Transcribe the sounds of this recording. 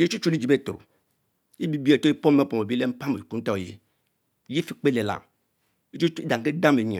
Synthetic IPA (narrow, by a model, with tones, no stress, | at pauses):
je˦t͡ʃu˦t͡ʃu˦li˦d͡ʒi˨be˦˨to̰˨ | i˦bi˦be˨to˦i˦po˦m˦e˦po˨me˨bi˦le˦m̩˦pa˦me˨ku˦n̩˦ta˦˨jḛ˨ | ji˦fi˨˦k͡pe˦le˨la̰˨m | i˦t͡ʃu˦i˦da˨ŋ˨ke˦da˦me˨ɲḛ˨